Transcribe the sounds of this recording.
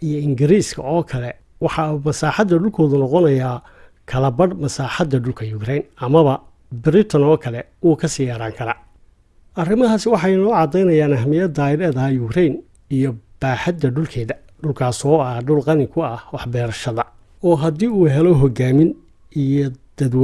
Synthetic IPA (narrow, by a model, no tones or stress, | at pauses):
ʔijɔɪŋɡɪɾiːskʰɐ̰ɔːkʰɐlɛ | wɑħɑumɐsaːħɑd̪ːɐɖʊlkʰɔːðʊnɔqɔnɐjaː | kʰɐlɐbɐɽmɐsaːħɑd̪ːɐɖʊlkʰɐjʊkʰɾɛjnɐmɐβɐ | bɪɾɪt̪ʰɔnɔːkʰɐlɛuːkʰɐsɪjɐɾaːŋkʰɐɾaː | ʔɐrɪmɐɦaːsɪwɑħɑjnɔːʕɑd̪ɛjnɐjaːnɐɦmɪjɐd̪aɪɾɛːðɐjʊkʰɾɛjn | ijɔb̥aːħɑd̪ːɐɖʊlkʰɛːðɐ | ɖʊlkʰaːsɔːɐɖʊlqɑnɪkʰʊɐhwɑħbɛːɾɐʃɐðɐ | ɔːɦɐd̪iːuːɦɛlɔɦɔɡaːmɪn | ijɔd̪̥ɐd̪w